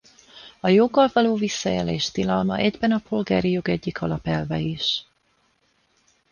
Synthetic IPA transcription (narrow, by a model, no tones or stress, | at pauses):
ɒjoɡːɒlvɒloːvisːɒjɛleːʃt̪ilɒlmɒ̰ʔɛɟbɛnɒpolɡa̰ːɾijo̞ɡɛɟːikʰɒlɒpɛlvɛiʃ